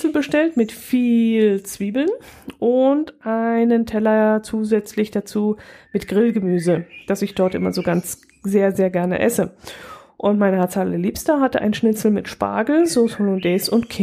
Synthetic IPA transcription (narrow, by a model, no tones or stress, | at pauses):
sl̩bəʃtɛltmɪtfiːlt͡sv̥iːbl̩nʔʊntʔaɪnəntʰɛlɐt͡suːzɛt͡slɪçd̥at͡suːmɪtɡ̥ʁɪlɡəmyːzəd̥asɪçd̥ɔɐtʔɪ̰mɐ̰zoːɡant͡s | z̥eːɐzeːɐɡɛɐnə̰ʔɛ̰sə | ʔʊntmaɪnəat͡saːl̰əliːpstɐɦatəʔa̰ɪnʃnɪt͡sl̩mɪtʃpa̰ːɡl̩zoːsholʊndɛːsʊntkʰɪ